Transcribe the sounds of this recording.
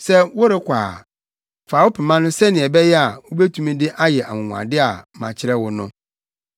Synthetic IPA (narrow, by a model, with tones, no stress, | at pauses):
sɛ˦wʊ˦ɾɪ˦kʷʰa̰ː˨ | faː˨wʊ˦pʰɪ˨mã˦nʊ̃˦sɛ˦nɪ̃˨ɛ˨bɛ˦jɛ˦a˨wʊ˦be˦tʰũ˦mĩ˦dɪ˦ʔa˦jɛ˨ʔa˨mʊ̃˨ŋ̃ʷ˨ã̰˨dɪ˦a˨mã̰˨t͡ɕʰɪ˦ɾɛ˦wʊ˦nʊ̃˦